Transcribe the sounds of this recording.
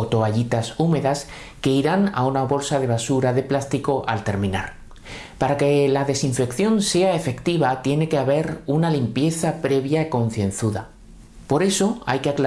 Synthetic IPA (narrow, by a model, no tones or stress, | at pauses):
ot̪o̞aʝit̪asume̞ðas | ke̞iɾana̰unaβo̞lsaðe̞β̞asuɾaðe̞plast̪iko̞ʔalt̪e̞ɾmĩna̰ɾ | paɾake̞laðe̞siɱfe̞kθjo̞nse̞ae̞fe̞kt̪iβat̪je̞ne̞ke̞aβe̞ɾunalimpje̞θapɾe̞βjaeko̞n̟θjẽ̞nθuða̰ | po̞ɾe̞so̞a̰jkeakla